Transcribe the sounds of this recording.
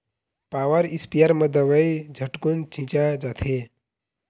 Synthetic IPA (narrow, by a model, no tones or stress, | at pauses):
paʋəɾispijaɾməd̪əʋəjd͡ʑʱəʈkunt͡ɕʰĩt͡ɕad͡zat̪ʰe